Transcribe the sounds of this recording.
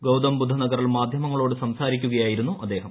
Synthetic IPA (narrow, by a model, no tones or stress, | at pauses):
ɡɐwd̪ɐmbud̪ʱːɐnɐɡɐriɭmaːd̪ʱjɐmɐŋːɐɭo̞ːɽɨsɐmsaːɾikʲːuɣɐjaːjiɾunːuʔɐd̪ːe̞ːɦɐm